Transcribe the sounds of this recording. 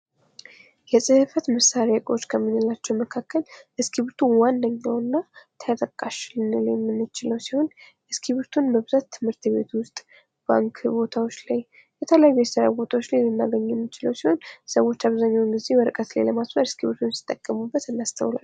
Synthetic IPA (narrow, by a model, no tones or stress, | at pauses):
jɛsʼɨhɨfət̪məsaɾekʼot͡ʃːkʰəmːɨnːɨlat͡ʃːɛwməkʰakːəlʔɨskʰiβɾt̪ʰuwandəɲːawnːat̪ʰəjat̪ʼəkʼːaʃlnɨljɛmːɨnːɨt͡ʃɪləwsiho̞n | ʔɨskʰiβɨɾt̪ʰunbəβɨzat̪ʰːɨmhɨɾt̪be̞̰t̪wʊst̪ʼ | b̥a̰ŋkʰbo̞t̪ʰawo̞t͡ʃːlaj | bət̪ʰələjajːujɛsəɾa̰bo̞t̪ʰawo̞t͡ʃːlajlɨnːa̰ɡəɲːɛmːɨt͡ʃɪləwsiho̞nsəwːo̞t͡ʃːaβzaɲːawɨŋɡize̞bəɾɨkʼət̪la̰jləmasməɾɨskʰiβɨɾt̪ʰunsi̥t̪ʼːəkʼːəmubːət̪ɨnːast̪ʰə̰wla̰l